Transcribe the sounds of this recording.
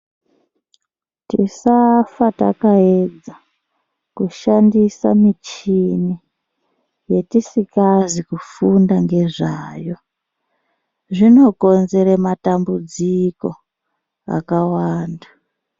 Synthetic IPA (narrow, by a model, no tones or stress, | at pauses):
tisafata̰kaed͡za | kuʃandisa̰mit͡ʃini | je̞tisikazikufundaŋɡe̞ʐaːjo̞ | ʐino̞ko̞nze̞ɾematambud͡ziko̞ | a̰kawaːnda